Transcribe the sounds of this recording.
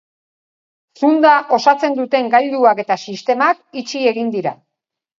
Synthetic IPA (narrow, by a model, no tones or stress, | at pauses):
sund̪aʔo̞sat͡se̞nd̪ut̪e̞ŋɡald̪uake̞t̪asist̪e̞makit͡ʃie̞ɣind̪iɾa